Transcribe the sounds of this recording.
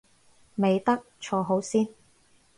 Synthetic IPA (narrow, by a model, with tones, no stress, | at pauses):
me˨jt̪ɐ˥k̚t͡ʃʰɔː˧ɦo˨˥wsiː˥n